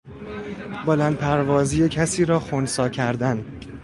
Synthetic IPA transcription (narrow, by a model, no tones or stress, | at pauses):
bolænd̪̚pʰæɾvɒːziːjecʰæsiːɾɒːxonsɒːcʰæɾd̪æn